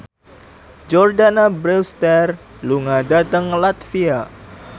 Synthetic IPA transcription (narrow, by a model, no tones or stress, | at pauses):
d͡ʒɔrdanabɾɛst̪ɛr | luŋadat̪əŋlat̪fia